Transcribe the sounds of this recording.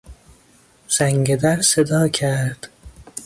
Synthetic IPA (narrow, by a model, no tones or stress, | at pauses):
z̥æŋɟed̪æɾsed̪ɒːcʰæɾɾd̪̥